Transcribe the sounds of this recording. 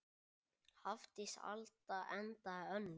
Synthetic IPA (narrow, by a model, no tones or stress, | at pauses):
haft̪ɪsa̰lt̪aɛnt̪aœnː